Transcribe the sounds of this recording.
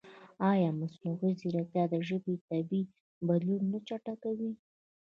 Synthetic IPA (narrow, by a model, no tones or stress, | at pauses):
ɑjɑmasnʊɣiziɾakt̪jɑd̪əʒəbet̪abi | balunːat͡ʃaʈakawi